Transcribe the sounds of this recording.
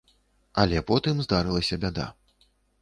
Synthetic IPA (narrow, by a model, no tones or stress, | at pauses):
ɐlʲɛpɔt̪ɨmzd̪aɾɨlˠɐsʲɐbʲad̪a̰